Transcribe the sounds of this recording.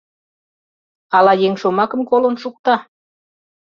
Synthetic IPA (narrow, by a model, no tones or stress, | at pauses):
ɑlɑjeŋʃomɑkə̆mkolənʃuk̚t̪ɑ